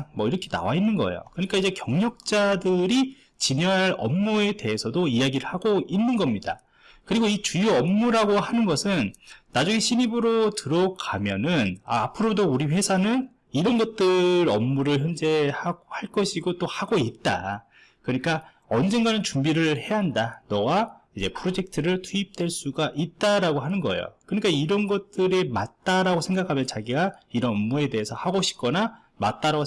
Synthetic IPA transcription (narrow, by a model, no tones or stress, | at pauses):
mʌiɾʌkʰe̞na̰wainːɯnɡʌ̰ḛjo̰kɯɲik͈aid͡ʑe̞kjʌŋɲʌk̚t͡ɕ͈adɯɾi | t͡ɕiɲʌɦaɾʌmːue̞de̞ɦesʰʌdoijaɡiɾɯɭhaɡoinːɯnɡʌmɲida̰ | kɯɾiɡoit͡ɕujuʌmːuɾaɡohanɯnɡʌsʰɯnːad͡ʑuŋiɕʰiɲibɯɾotɯɾʌkʰamjʌnɯna̰ːpʰɯɾodouɾiɸe̞sʰanɯn | iɾʌnɡʌt̚t͈ɯɾʌmːuɾɯɭçjʌnd͡ʑehaɡohaɭk͈ʌɕʰiɡot͈ohaɡoit̚t͈a̰ | kɯɲik͈a | ʌnd͡ʑenɡanɯnt͡ɕumbiɾɯɭhe̞aɦandanʌwaid͡ʑe̞pʰɯɾod͡ʑe̞k̚tʰɯɾɯɭtʰuip̚t͈we̞ɭs͈uɡaʔit̚t͈aɾaɡoɦanɯnɡʌḛjo̰kɯɲik͈aiɾʌnɡʌt̚t͈ɯɾemat̚t͈aɾaɡosʰe̞ŋɡakʰamjʌnt͡ɕaɡiɡaiɾʌnʌmːue̞de̞esʰʌhaɡoɕʰi̥p̚k͈ʌna | ma̰t̚t͈aɾaɡo